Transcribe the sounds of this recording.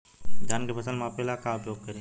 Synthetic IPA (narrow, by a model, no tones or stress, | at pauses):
d͡ʒaːnkepʰəsəlmãpelakaʊpjoːɡ̚kəɾẽ